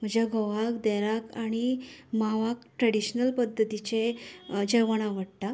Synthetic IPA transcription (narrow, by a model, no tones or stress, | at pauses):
m̤əd͡ʑjaɡʱoʋakd̪ɛɾakaɽ̃imaʋakʈɾəɽiɕnəlpəd̪ʱːət̪it͡ɕed͡ʑəʋəɽaʋəɽt̪a